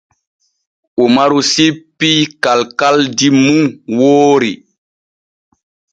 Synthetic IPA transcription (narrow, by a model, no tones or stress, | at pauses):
ʔumaɾusipːikalkaldimuŋwoːɾi